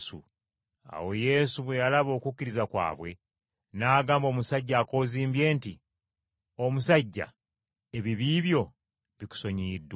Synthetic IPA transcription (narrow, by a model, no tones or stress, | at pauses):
ṵ | a̰wo̞je̞ːsuβwe̞jalaβo̞ːkukːiɾizakwa̰ːβwe̞ | naːɡaːmbo̞ːmusaɟːaːko̞ːziːmbje̞ːnti | o̞musaɟːa̰ | e̞βiβiːβjo̞ | βiku̥so̞ɲiːdwa